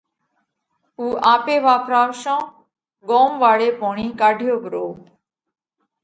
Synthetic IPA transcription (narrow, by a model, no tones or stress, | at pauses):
uːʔaːpeːʋaːpʰɾaːʋʃãː | ɡoːmʋaːɽeːpoːɳiːkaːɖʱjoːbəɾoː